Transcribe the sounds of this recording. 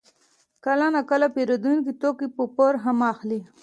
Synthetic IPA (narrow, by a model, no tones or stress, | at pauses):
kalanakəlapeɾod̪unkit̪okipəpoɾɦamɑxli